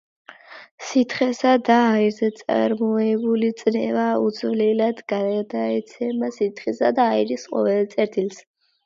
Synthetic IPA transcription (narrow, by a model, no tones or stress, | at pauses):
sit̪ʰχɛsad̪aːiɾzɛt̪sʼa̰ɾmɔɛbulit̪sʼnɛvaut̪zsʰvlɛlad̪ɡaad̪aɛt̪sʰɛmasit̪ʰχisad̪aːiɾisqʼɔ̰vɛlt̪sʼɛɾt̪ʰils